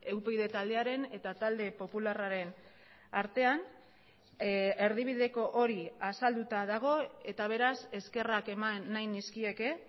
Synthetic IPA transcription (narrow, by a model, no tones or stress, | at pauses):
e̞wpeiðe̞t̪ald̪e̞aɾe̞ne̞t̪at̪ald̪e̞po̞pularaɾe̞n | aɾt̪e̞an | e̞ɾð̞iβ̞iðe̞ko̞ʔoɾiasald̪ut̪aðaɣ̞o̞e̞t̪aβ̞e̞ɾase̞ske̞rake̞maːajniskie̞ke̞